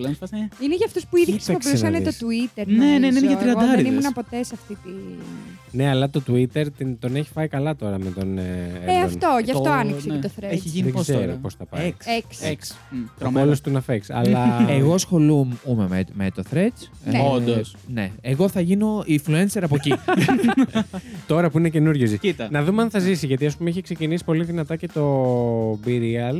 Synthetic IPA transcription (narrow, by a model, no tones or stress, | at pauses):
lɐnssineʝɐft̪ospuiðisɐusɐnet̪ot̪uit̪eɾneneineineʝɐt̪ɾiɐnd̪ɐɾnimunɐpo̞t̪e̞sɐft̪it̪i | neɐlɐt̪o̞t̪uit̪e̞ɾt̪int̪o̞neçi̥pɐjikɐlɐt̪o̞ɾɐmet̪o̞neeɐfnt̪o̞ʝɐft̪oɐniseet̪oθɾeeçiʝiniðeɡzeɾoposθɐpɐ̰seksks | t̪omelost̪unɐfeksɐ̰lɐeɣo̞sxo̞lumumememet̪oθɾet͡s | nod̪osneeɣoθɐʝino̞ifluenseɾɐpoci | t̪o̞ɾɐpuine̞ce̞nuɾʝozisit̪ɐnɐðumeɐnθɐzisiʝɐt̪̬iɐs̬pumeiçikse̞cinisi̥po̞liðinɐt̪ɐce̞t̪o̞ | biɾiɐl